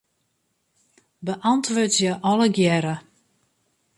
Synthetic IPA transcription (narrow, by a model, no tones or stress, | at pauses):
bəʔantʋøːtjəʔɔləɡjɛɾə